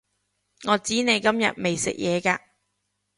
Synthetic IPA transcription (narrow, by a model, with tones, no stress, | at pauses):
ŋɔː˨˧t͡siː˨˥ne˨˧jkɐ˥mjɐ̰˨t̚me˨jsɪ̰˨k̚jʔɛː˨˧kaː˧